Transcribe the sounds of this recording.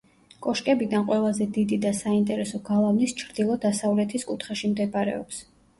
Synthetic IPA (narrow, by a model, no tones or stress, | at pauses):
kʼɔʃkʼɛbid̪anqʼwɛlˠazɛd̪id̪id̪asaint̪ʼɛɾɛsɔɡalˠavnist͡ʃʰɾd̪ilˠɔd̪asavlɛt̪ʰiskʼut̪ʰχaʃimd̪ɛbaɾɛ̰ɔ̰ps